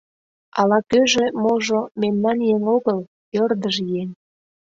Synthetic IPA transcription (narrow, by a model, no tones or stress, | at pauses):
ɑlɑkøʒĕmoʒomemnɑnjeŋoɣəl | ørd̪əʒjen